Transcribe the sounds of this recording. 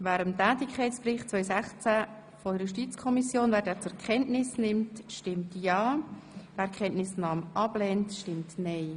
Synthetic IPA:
væːɾəmtæːtɪkʰɛɪtt͡sprɪχtt͡sʋœʏsæχt͡sæ | fɔjuʃtit͡skʰɔmisjoːnvæːɾdɛːt͡sʊɾkʰɛntnɪsnɪmtʃtɪmtjɑːvæːɾkʰχɛntnɪsnɑːmʔɑb̥lɛːntʃtɪmtnɛɪ

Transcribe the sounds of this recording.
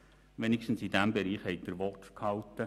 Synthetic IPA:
ʋenɪkʃtn̩sidæmbɛɾiːχhɛɪt̚d̥əɾʋɔtkʰhɑltːə

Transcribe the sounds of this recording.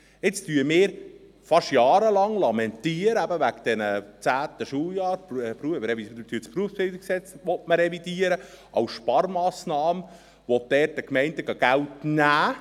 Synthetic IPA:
ɪt͡styəmɪːɾ | fɑʃjɑːɾəlɑŋlɑmɛnt̪iəɾəæbəʋæɡd̥̪ɛnət͡sæːt̪əʃuljɑːɾpɾuəɾɛvit̪yːspɾuəfsb̥ɪld̪iksɛt͡sʋɔtməɾɛvid̥iːəɾə | ʔɑwsʃpɑɾmɑːsnɑːmə | ʋɔt̚d̥ɛːrtːəkmɛɪndəɡɑɡ̥æltnæː

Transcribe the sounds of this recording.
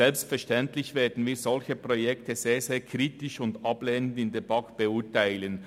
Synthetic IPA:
ɛlpstfɛɐʃtɛntlɪçveːɐdn̩viːɐzɔlçəpʁ̥ojɛktəzeːzeːɐkʰʁiːtɪʃʊndɑbleːnəndɪndeːɐbɑŋkb̥əʊtaɪlən

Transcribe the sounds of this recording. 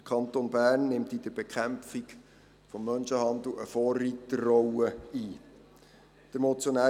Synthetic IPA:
əkʰɑnt̪onbæːrnːɪmt̪id̥̪əɾb̥ekχæmfik | fɔmːœnʃəhɑnd̪l̩əfɔːrːiːt̪ərːɔwəiː | d̥əɾmot͡sjonæː

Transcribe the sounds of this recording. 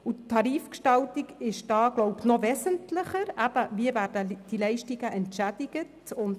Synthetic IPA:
utʰːɑɾiːfkʃtɑltiɡɪʃd̥ɑːɡlɔʊpnɔvɛːsəntlɪχəɾæb̥əviəvæːɾdəd̥ilɛɪʃtiɡəʔɛntʃæd̥iɡ̥ətʊnd

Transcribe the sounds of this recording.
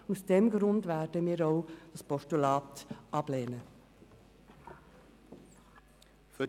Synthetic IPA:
usd̥ɛmɡɾʊndvæɾdəmiːɾɔʊd̥ɑspɔʃtulɑːt̪ʔɑb̥leːnə | f

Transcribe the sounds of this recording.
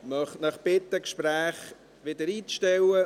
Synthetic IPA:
mɑχnɑχb̥ɪt̪ːəkʃpɾæːχ | ʋɪd̪əɾiːt͡sʃtɛwə

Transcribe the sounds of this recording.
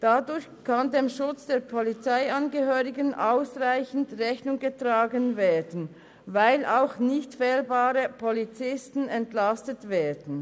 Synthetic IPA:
d̥adʊɐçkʰandeːmʃʊt͡sd̥eːɐpʰɔlit͡saɪɑnɡəhøːʁɪɡənʔaʊsʁaɪçn̩dʁɛçnʊŋɡətʁ̥aːɡənveːdn̩ | vaɪlʔaʊxnɪçtfɛːlbaːʁəpʰɔlit͡sɪstn̩ɛntlastətveːɐdən̩

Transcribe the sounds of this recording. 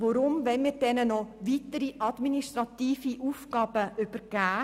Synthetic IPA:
ʋɔɾʊmʋɛnmiːɾd̥ɛnənɔʋit̪əɾiʔɑdminiʃtɾɑt̪iːfiʔuːfɡɑːb̥əʔʏb̥əɾɡ̥æː

